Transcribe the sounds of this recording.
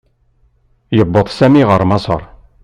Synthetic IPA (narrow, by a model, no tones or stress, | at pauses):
jəbːəðˤsæmiʁəɾˤmɑsˤə̰ɾˤ